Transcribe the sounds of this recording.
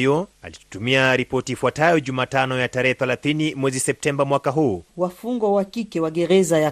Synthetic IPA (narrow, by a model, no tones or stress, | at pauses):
jɔali̥tumiaɾipɔtiːfwatajɔʄumaːtanɔjataɾɛhɛθɛlaθinimwɛzisɛp̚tɛmbamwakaɦuːwafuŋɡwawakikɛwaɠɛɾɛzaja